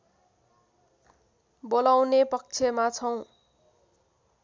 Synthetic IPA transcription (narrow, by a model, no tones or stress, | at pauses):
bolawnepʌk̚t͡sʰemat͡sʰʌw̃